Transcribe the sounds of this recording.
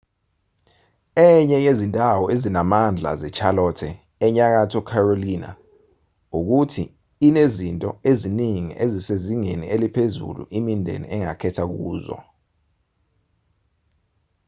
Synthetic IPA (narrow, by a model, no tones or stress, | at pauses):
ɛɲɛjezintʼawɔezinamand͡ɮʱa̰zɛt͡ʃʰalɔtʰɛː | ɲak̬atʰɔkʰaroliːna̰ | uk̬utʰḭː | nezintʼɔeziniŋḭʔeziseziŋenḭʔelipʰezṵlṵʔimindʱḛnḭɛŋa̰kʰɛtʰak̬uːzɔ̰